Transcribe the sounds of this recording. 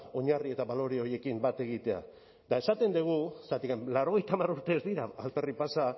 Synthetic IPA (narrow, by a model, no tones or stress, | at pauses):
o̞ɲarie̞t̪aβalo̞ɾio̞ɾje̞kimbat̪e̞ɣit̪e̞a̰ | d̪ae̞sat̪e̞nd̪eɣ̞usat̪ikamlaɾo̞ɣ̞e̞jt̪amaruɾt̪e̞zd̪iɾaːlt̪eripasa